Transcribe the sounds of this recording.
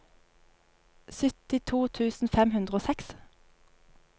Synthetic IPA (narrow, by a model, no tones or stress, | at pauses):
sʏt̪ɪt̪ʰuːt̪ʰʉːsn̩fɛmhʉnd̪ʁəoːsɛks